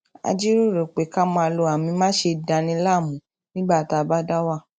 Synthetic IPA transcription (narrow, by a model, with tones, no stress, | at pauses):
a̰˧d͡ʒi˦ɾu˦˨ɾo˨k͡pe˨˦ka˦mɔ̃˧a˧lo˧˦a˨mĩ˧mã˦ʃe˧da˧nĩ˧˦la˦˨mũ˨˦ | nĩ˦ɡ͡ba˦˨ta˨˧˨ba˦da˦wa˦˨